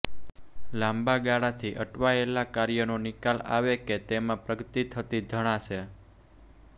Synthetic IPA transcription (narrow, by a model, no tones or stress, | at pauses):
lãmbaɡaɽat̪ʰiʔəʈʋaelakaɾjənonɪkala̰ʋeket̪emãpɾəɡət̪it̪ʰət̪id͡ʒ̪ʱəɽ̃ãʃʰe